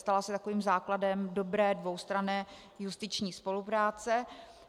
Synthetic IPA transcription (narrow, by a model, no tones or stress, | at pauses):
st̪alasɛt̪ako̞viːmzaːkladɛmdo̞bɾɛːdvo̞wst̪ɾanɛː | just̪ɪt͡ʃɲiːspo̞lupɾaːt͡sɛ